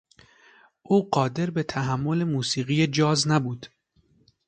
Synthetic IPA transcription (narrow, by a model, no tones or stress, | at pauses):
ʔuːɢɒːd̪e̞ɾbe̞t̪ʰæɦæmːo̞lemuːsiːɣijed͡ʒɒːznæbuːd̪̥